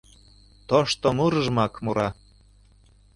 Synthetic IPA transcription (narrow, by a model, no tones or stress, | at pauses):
t̪oʃt̪omuɾəʒmɑkmuɾɑ